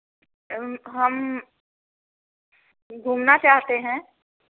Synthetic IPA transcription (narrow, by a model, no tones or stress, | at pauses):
ɦɐm | ɡʱuːmnat͡ʃaːɦt̪eɦɛ̃ː